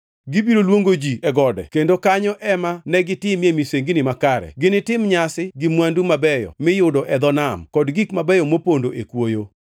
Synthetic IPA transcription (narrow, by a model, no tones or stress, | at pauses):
ɡibiɾolwoŋɡod͡ʒiɛɡɔdɛ̰kendokaɲɔʔɛmanɛɡɪtɪmjemiseŋɡɪnɪmakaɾɛ̰ɡɪnɪtɪmɲasɪɡɪmwandumabɛjɔ̰mɪjʊdɔʔɛd̪ɔnamkɔdɡikmabɛjɔmopondoʔekwojo